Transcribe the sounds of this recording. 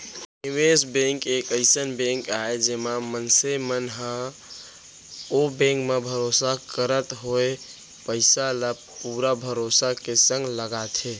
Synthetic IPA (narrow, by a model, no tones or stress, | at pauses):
imesbẽŋkekəɪsənbẽŋkaed͡ʒemamənsemənɦã | obẽŋkmebʱəɾosakəɾət̪ɦoe | pəɪsaləppuɾabʱəɾosakesə̃ŋɡləɡat̪ʰe